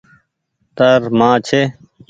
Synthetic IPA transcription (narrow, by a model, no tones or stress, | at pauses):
t̪əɾmãːt͡ɕʰe